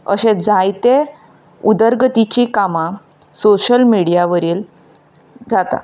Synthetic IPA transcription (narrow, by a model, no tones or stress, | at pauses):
ə̰ɕẽd͡zajt̪e | ud̪əɾɡət̪it͡ɕikamã | soɕəlmiɽijaʋəɾiːl | d͡zat̪a̰